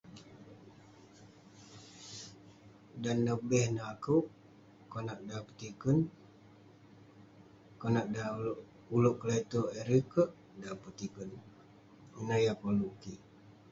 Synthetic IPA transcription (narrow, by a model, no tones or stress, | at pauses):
danːəbɛhnaakuʔ | konaʔdapə̥t̪ikən | konaʔda | uluʔkəlet̪oeɾikəʔ | dapət̪ikən | inəjapoluki